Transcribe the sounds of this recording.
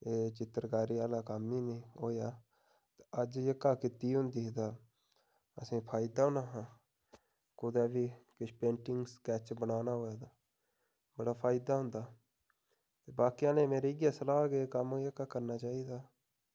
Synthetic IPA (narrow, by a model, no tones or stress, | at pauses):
eːt͡ʃɪt̪ːəɾkaːɾiːaːlaːkəmiːnẽːɦoːjaː | t̪eəd͡ʒjəkːaːkɪt̪iːʊnd̪iːd̪aː | əsĩːpʰaːɪd̪aːʊnaːɦãː | kʊd̪aːbiːkɪt͡ʃʰpẽːɳʈɪŋɡskɛːt͡ʃbənaːnaːɦoːjaːd̪aː | bəɽaːpʰaːɪd̪aːɦʊ̃nd̪aː | t̪eːbaːkijãːnẽːmeːɾeːɡjaːsəlaːɡeːkəmjəkaːkəɾnaːt͡ʃaːiːd̪aː